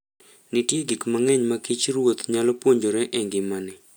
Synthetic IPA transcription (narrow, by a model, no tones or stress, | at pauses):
nɪtjeɡikmaŋɛɲmakit͡ʃɾwot̪ɲalɔpwoɲd͡ʒoɾɛʔeŋɡɪmanɪ